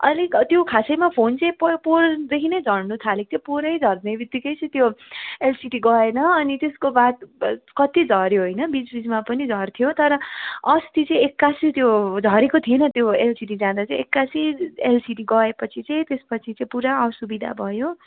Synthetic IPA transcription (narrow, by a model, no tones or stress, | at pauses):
ʌlikt̪jokʰasejmapʰont͡sʌ̃j̃pʌpord̪ekʰinʌjd͡zʱʌɽnut̪ʰalik̚t̪ʰjopoɾʌjd͡zʱʌrd̪nebit̪ːikʌjt͡sʌ̃t̪joelsiʈiɡʌenʌʌnit̪eskobat̪kʌt̪id͡zʱʌɾjoɦojnʌbid͡zbid͡zmapʌnid͡zʱʌrt̪ʰijot̪ʌɾʌʌst̪it͡sʌ̃ĩekːasit̪jod͡zʱʌɾekot̪ʰienʌt̪joelsiʈid͡zãd̪at͡sʌ̃ĩekːasielsiʈiɡʌepʌt͡sʰit͡sʌĩt̪espʌt͡sʰit͡sʌ̃ĩpuɾaʌsubid̪ʱa̰bʱʌjo